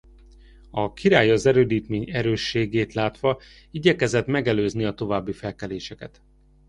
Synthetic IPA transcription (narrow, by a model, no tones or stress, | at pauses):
ɒkiɾaːjɒzɛɾøːd̪iːt̪meːɲɛɾøːʃːeːɡeːt̪laːt̪ʋɒ | iɟɛkɛzɛt̪mɛɡɛløːzniɒt̪o̞vaːbːifɛlkɛleːʃɛkɛ̰t̪